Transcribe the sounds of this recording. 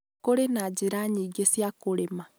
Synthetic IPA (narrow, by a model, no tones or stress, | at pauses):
koɾenad͡ʒeɾaɲiːɡesjakoɾema